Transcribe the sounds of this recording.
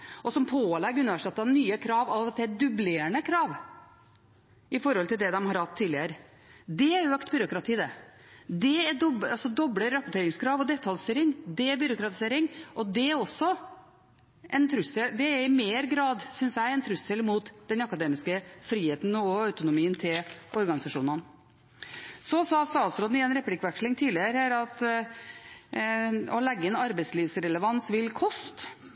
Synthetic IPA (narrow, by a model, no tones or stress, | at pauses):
ɔsɔmpʰoːlɛɡəʉnəʋæʂɛt̪ːɑnyːəkʰɾɑːʋɑɑt̪d̪ɛæd̪ʉbleːəɳəkʰɾɑːʋ | ɪfɔɾhɔlt̪ʰɪld̪ɛd̪ɛmhɑɾhɑt̪ʰːiːlɪəɾə | d̪ɛæɾøːkt̪bʏɾʊkɾɑt̪ʰiːd̪ɛ | d̪ɛæd̪ɔbɑlsɔd̪ɔbɽəɾːɑpʊʈ̪ʰeːɾɪŋskʰɾɑːʋɔd̪ɛt̪ʰːɑlst̪yːɾɪŋd̪ɛæɾbʏɾʊkɾɑt̪ɪ̥seːɾɪŋʔɔd̪ɛæɾɔsːɔ | ʔɛnt̪ʰɾʉsːəld̪ɛæɾɪmeːɾɡɾɑːd̪sʏnsjæɪɛnt̪ʰɾʉsːəlmuːt̪d̪ɛnɑkɑd̪eːmɪskəfɾiːheːt̪n̩ɔɑʉt̪ʊnʊmiːənt̪ʰɪlʔɔɾɡɑnɪsɑʂuːnən | sɔsɑst̪ɑːt̪sɾoːd̪n̩ɪɛːnɾɛplɪkʋɛkʂlɪŋt̪ʰiːlɪəɾhæːɾɑt̪ | ɔlɛɡːəɪnɑɾbɛɪt̪sliːʋsɾɛləʋɑnsʋɪlkʰɔst̪